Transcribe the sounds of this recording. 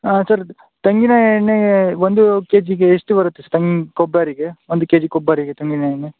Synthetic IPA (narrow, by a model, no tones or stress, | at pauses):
asɐɾ | t̪ɐŋɡinaːjeɳːeʋond̪ukeːd͡ʒiɡeːsʈuʋɐɾɐt̪ːesɐɾt̪ɐŋɡikɔbaːɾiɡeʋond̪ukeːd͡ʒikɔbːaːɾiɡet̪ɐŋɡinaːjɐnːe